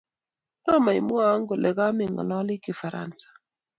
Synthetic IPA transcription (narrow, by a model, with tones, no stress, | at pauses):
tɔ˦ma˨i˨mwɔ˦a˦ŋɡo˨lʔɛ˨ɡa˦mɪ˦˨ŋɔ̰˨lɔ˦lɪ˦kɪ˨fa˨ɾa̰˦nsḁ˨